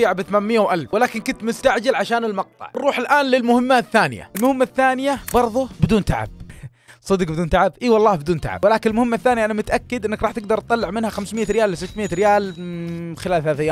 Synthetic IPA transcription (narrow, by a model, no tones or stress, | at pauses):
ʕabθamaːnmɪjːawʔalfwɪlaːkɪnkʊnt̪mʊst̪aʕd͡ʒalʕaʃaːnɪlmɑq̚t̪ˤɑ̰ʕrˤːuːħɪlʔaːnlɪlmʊhɪmːaθːaːnɪ̰ja̰ɪlmʊhɪmːaθːaːnɪjabɑɾˤðˤʊbɪd̪uːnt̪aʕa̰b̚ | sˤɨd̪qbɪd̪uːnt̪aʕabʔiwɑlˤːɑːhbɪd̪uːnt̪a̰ʕa̰bwɪlaːkɪnɪlmʊhɪmːaθːaːnijaʔanamʊt̪ʔakːɪd̪ʔɪnːɪkɾˤɑːħt̪ɪɡ̚d̪ɑɾˤt̪̚t̪ˤɑlːɪʕmɪnhaxamsmɪjːaɾɪjaːlːɪs̬ɪt̪ːmɪjːaɾɪjaːl | xɪlaːlθalaːθɪjːaː